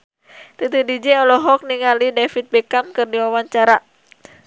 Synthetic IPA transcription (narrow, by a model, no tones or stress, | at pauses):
t̪ɨt̪udid͡ʒɛɔlɔɦɔk̚niŋalidefit̪̚bɛkamkɨrdiwawaɲt͡ʃaɾa